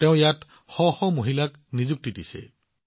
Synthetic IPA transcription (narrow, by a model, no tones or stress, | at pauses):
teʊ̃jat | xɔxɔmoɦilak | nizuk̚titisɛ̰